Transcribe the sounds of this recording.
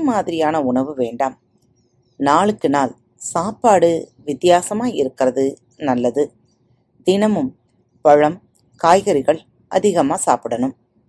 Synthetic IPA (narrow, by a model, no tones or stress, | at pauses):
maːðɪɾɪjaːnɐʊɳɐʋɯʋeːɳɖaːm | naːɭɯkːɯnaːl | saːpaːɽɯʋɪt̪ːjaːsɐmaːjɪɾɯkːɪrɐðɯ | nɐlːɐðɯ | d̪ɪnɐmɯm | pɐɻɐm | kaːjɣɐɾɪɣɐɭ | ʔɐ̰ðɪɣɐmaːsaːpɪɽɐnɯm